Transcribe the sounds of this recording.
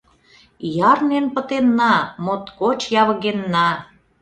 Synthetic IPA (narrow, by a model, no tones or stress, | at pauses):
jɑrnenpə̆t̪enːɑmot̪kot͡ɕjɑβəɣenːɑ